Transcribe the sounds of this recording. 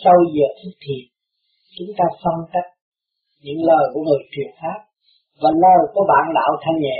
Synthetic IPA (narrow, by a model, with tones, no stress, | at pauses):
sə˧wzəː˨˩t̪ʰɨ˦˥k̚t̪ʰi˨˩əp̚ | t͡ɕʊ˨˦ŋ͡mt̪aː˧fə˧nka˦˥k̚ | ɲɨ̰˧˥ŋləː˨˩jku˧˩əŋɨ˨˩t͡ɕwḭ˨˩əŋfaː˦˥p̚ | vaː˨˩ləː˨˩jku˨˧˩əɓa̰ː˧˨nɗa̰ː˧˨wt̪ʰa˧ŋɲɛ̰˧˨